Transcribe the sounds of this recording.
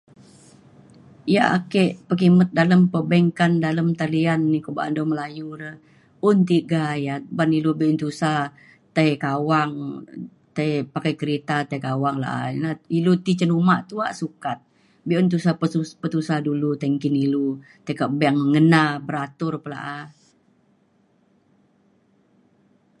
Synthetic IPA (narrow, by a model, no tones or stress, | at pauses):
ja̰a̰kɛʔpəkimət̪̚daləmpəbaŋkandaləmt̪alianːikoba̰ʔa̰ndɔməlajuɾəh | ʊnt̪̬iɡajabanilubiʔʊnt̪usa | t̪əjkawaŋ | t̪ajpakajkəɾet̪at̪ajkawaŋla̰ʔa̰nailot̪it͡ʃənumaʔt̪uaʔsukat̪̚ | biʔunt̪̬usapəupət̪usadulut̪əŋkɪnilu | t̪əkabŋməŋənabəɾat̪ʊrpəla̰ʔa